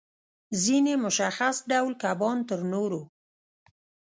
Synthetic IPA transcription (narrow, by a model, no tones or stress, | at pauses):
zinemʊʃaxasɖawlkabɑnt̪əɾnoɾo